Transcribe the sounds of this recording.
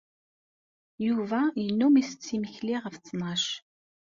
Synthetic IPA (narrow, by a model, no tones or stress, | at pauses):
juvæjənːumisət͡sːiməçliʁəft͡sːnɑʃ